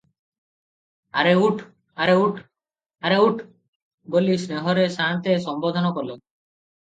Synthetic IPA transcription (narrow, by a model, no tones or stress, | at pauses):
aɾeuʈʰ | aɾeuʈʰ | aɾeuʈʰ | ɡolisɾeɦɔɾesant̪eʃɔmbod̪ʱɔnɔkɔle